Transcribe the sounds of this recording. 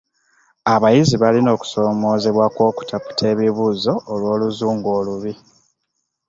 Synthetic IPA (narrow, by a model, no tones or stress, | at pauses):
aβajiziβalino̞ːku̥so̞ːmo̞ːze̞βwakwo̞ːku̥tʰapu̥tʰe̞ːβiβuːzo̞ːlwo̞ːluzuːŋɡo̞ːluβi